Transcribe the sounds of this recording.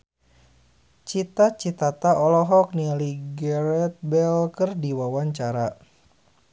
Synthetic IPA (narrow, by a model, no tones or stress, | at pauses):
t͡ʃit̪at͡ʃit̪at̪aʔɔlɔɦɔk̚nialiɡɛɾɛt̪̚bɛlkɨrdiwawaɲt͡ʃaɾa